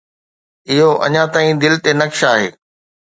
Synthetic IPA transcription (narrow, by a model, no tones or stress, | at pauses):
ɪɦoʔɐ̰ɲãt̪aːĩd̪ɪlt̪enɐkʃaːɦḛː